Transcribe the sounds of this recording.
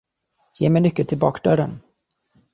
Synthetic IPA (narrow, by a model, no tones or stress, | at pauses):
jeːmɛjnʏkːəlt̪ʰɪlbɑ̰ːkd̪œɾən